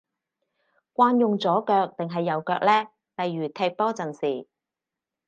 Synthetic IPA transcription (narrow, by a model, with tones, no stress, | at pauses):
kʷaː˧njʊ˨ŋt͡sɔː˨˥kœː˧k̚t̪ɪ˨ŋɦɐ˨jːɐ˨wkœː˧k̚lɛː˥ | lɐ˨jːyː˨˩t̪ʰɛː˧k̚pɔː˥t͡sɐ˨nsiː˨˩